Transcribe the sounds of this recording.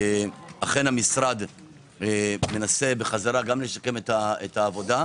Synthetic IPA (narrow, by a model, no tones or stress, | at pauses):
aχe̞nhamisʁad̪ | me̞nase̞be̞χazaɾaɡamle̞ʃake̞metaet̪haːvo̞da